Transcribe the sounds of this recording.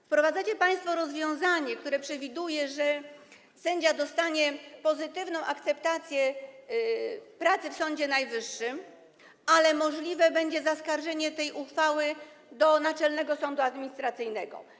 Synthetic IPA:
fpɾɔvad̪zat͡ɕɛpaj̃st̪fɔɾɔzvʲjɔ̃w̃zaɲɛk̚t̪uɾɛpʂɛvʲid̪ujɛʐɛ | sɛɲd͡ʑad̪ɔst̪aɲɛpɔzɘt̪ɘvnɔ̃w̃ʔakt̪sɛpt̪at̪sʲjɛ | pɾat̪sɘfsɔɲd͡ʑɛnajvɘʂːɘm | alɛmɔʐlʲivɛbɛɲd͡ʑɛzaskaɾʐɛɲɛt̪ɛjʔuxfawɘ | d̪ɔnat͡ʂɛlnɛɡɔsɔnd̪uad̪mʲiɲist̪ɾat̪sɘjnɛɡɔ̰

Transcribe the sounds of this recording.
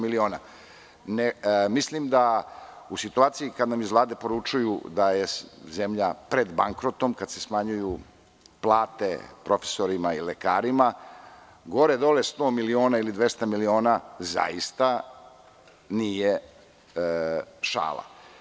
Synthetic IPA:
milioːna | nemislimd̪a | usit̪uaːt̪siikad̪namizʋlˠaːd̪e̞po̞ɾut͡ʃujṵd̪ajeze̞mʎapɾe̞d̪baŋkɾo̞t̪o̞mkad̪se̞smaɲuju | plˠaːt̪e̞pɾo̞fe̥soɾimaileka̰ːɾima | ɡo̞ɾed̪o̞lest̪o̞ːmilio̞ːnailid̪ʋest̪amilio̞ːnaza̰jist̪a | nije | ʃa̰ːlˠa̰

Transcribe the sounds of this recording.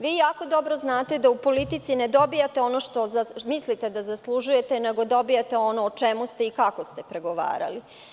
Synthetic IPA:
ʋiːjaːko̞d̪o̞bɾo̞znaːt̪e̞d̪aupo̞lit̪it̪sined̪o̞bijat̪eo̞noʃt̪o̞zamislit̪e̞d̪azaslˠuʒuje̞t̪e̞ne̞ɡo̞d̪o̞bijet̪eo̞noːt͡ʃemust̪e̞ikako̞st̪e̞pɾe̞ɡo̞ʋa̰ːɾa̰li

